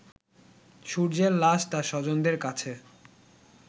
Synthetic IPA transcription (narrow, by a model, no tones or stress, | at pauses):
ʃuɾd͡ʑellaʃt̪aʃɔd͡ʑond̪eɾkat͡ɕʰe